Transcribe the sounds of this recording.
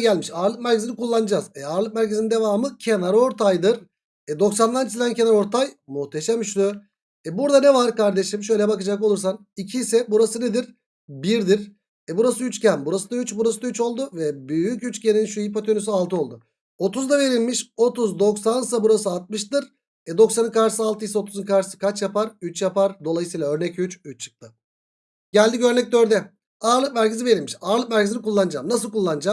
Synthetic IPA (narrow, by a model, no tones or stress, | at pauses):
ɟælʲmiʃaɾlˠɯkmæɾcʰzinikulˠːanɯd͡ʒazɛaɾlˠɯk̚mæɾcʰezinind̪e̞vaːmɯcʰe̞naɾo̞ɾt̪ʰajd̪ɯɾ | ɛd̪o̞ksand̪ant͡ʃʰisʲd̪æncʰenaɾo̞ɾt̪ʰajmuxt̪ʰeʃamʃl | ɛbuɾd̪anevaɾkaɾd̪eʃimʃ̬ø̞jlʲɛbakɯd͡ʒako̞lˠuɾs̬an | icʰiːsɛbuɾasɯned̪iɾ | biɾd̪iɾ | ɛbuɾasɯyt͡ʃcænbuɾasɯd̪ayt͡ʃbuɾasɯd̪ayt͡ʃo̞lˠd̪uvɛbyjycyt͡ʃceninʃuipot̪ʰønys̬ialˠt̪ʰɯo̞lˠd̪ʊ | o̞t̪ʰuzd̪ave̞ɾilʲmiʃo̞t̪uzd̪o̞ksansabuɾasɯalˠt̪̚mɯʃt̪ɯɾ | ɛd̪o̞ksanɯnkʰaɾʃɯsɯalˠt̪ɯjisɛo̞t̪ʰuzɯnkʰaɾʃɯ̥sɯkʰat͡ʃjapaɾyt͡ʃjapaɾd̪o̞lˠajɯsɯjlˠaø̞ɾnɛcyt͡ʃyt͡ʃt͡ʃʰːɯ̥k̚t̪ʰɯ | ɟælʲd̪iɟø̞ɾnɛc̚d̪øɾd̪ɛ | aːɾlˠɯk̚mæɾcʰizive̞ɾilʲmiʃaːɾlˠɯk̚mæɾcizinikʰulˠːanɯd͡ʒamnasɯlˠkʰulˠːanɯd͡ʒam